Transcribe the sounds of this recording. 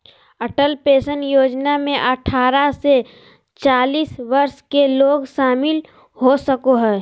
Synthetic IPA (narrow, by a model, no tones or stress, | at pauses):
ɐʈəlpeːʃənjoːd͡ʒnamẽʔɐʈʰaːɾase | t͡ʃaːliːsʋɐɾskeloːɡʃaːmɪl | hosəkoɦɛː